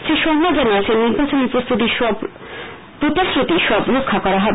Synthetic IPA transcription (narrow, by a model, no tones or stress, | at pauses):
siʃɔŋmad͡ʑaniet͡ɕʰenːiɾbat͡ɕoniɾpost̪ʰut̪̬iʃɔb | pɾot̪asɾot̪iʃɔbɾokʰːakɔɾaɦɔb